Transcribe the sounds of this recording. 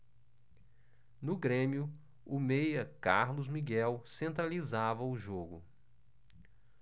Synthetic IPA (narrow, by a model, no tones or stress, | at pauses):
nʊɡɾẽmiʊ | ʊmejɐka̰ɾlʊzmiɡɛwsẽnt̪ɾalizavɐʊʒoɡʊ